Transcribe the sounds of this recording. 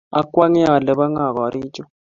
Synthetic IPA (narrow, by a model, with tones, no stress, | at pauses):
a˨kʼwa˦ŋɛ˦a˨lɛ˨ɓa˦ŋa˨ka˨ɾiː˦t͡ʃʼɔ˦